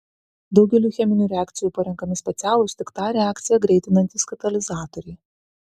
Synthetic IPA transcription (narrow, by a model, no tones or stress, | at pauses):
d̪ɒʊɡʲɛlʲuːxʲɛmʲɪnʲuːɾʲɛaːkt̪sʲɪjuːpɐɾʲɛŋkɐmʲɪsʲpʲɛt̪sʲæːlˠʊst̪ʲɪkt̪ɑɾʲɛaːkt̪sʲɪjɛɡɾʲɛɪt̪ʲɪnɐnt̪ʲiːskɐt̪ɐlʲɪzɑːt̪ɔɾʲɛɪ